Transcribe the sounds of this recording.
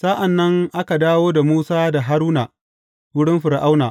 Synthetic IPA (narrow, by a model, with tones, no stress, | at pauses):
sa˦ʔa˨nːɐ˦ŋʔa˦ka˨daː˦woː˦da˨muː˦saː˦da˨ɦa˦ɾuː˦naː˨ | wʊ˦ɽɪ˦mɸɪ˨ɾʔa˦wnaː˨ʔ